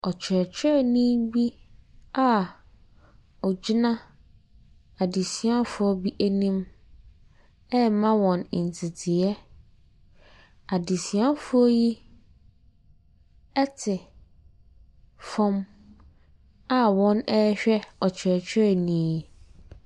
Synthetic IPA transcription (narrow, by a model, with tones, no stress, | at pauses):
ɔ˨t͡ɕʰɾɛ˨t͡ɕᶣʰɛ˦nĩ˦bi˦a˦ | ɔ˨d͡ʑi˦nã˦ | a˨di˨si˨˦a˦fʊ˨ɔ˦bi˦ʔe˦nĩ˦m | ɛ˦mã˦wɔ̃˨n˨n̩˨t͡sʰi˨tʰi˨ɛ˦ | a˨di˨si˨a˦fʊ˦ɔ˦ji˦ | ɛ˦tʰɪ˨ | fɔ̃˦m | a˦wɔ̃˦nɛ˦ɕᶣɛ˦ɔ˨t͡ɕʰᶣɾɛ˨t͡ɕʰᶣɛ˦nĩː˦˨